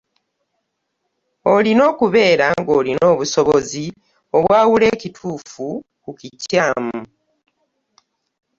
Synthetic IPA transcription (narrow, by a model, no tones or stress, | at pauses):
o̞lino̞ːkuβe̞ːɾaŋɡo̞ːlino̞ːβuso̞βozi | o̞βwaːwule̞ːcitʰuːfu | kukicaːmu